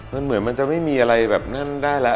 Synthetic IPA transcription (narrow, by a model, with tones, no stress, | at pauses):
ma˧nmɯ˩˦nma˧nt͡ɕa˨˩ʔma˥˩jmiː˧ʔa˧ɾa˧jbɛː˨˩p̚na˥˩ndaː˥˩jlɛ˦˥